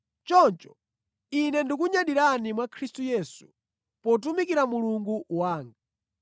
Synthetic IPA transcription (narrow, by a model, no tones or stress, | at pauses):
t͡ʃɔnt͡ʃɔ̥ | inɛndikuɲaɗiɾanimwakʰɾistujɛsu̥ | pɔt̬umikiɾamuluŋɡuwaːŋɡa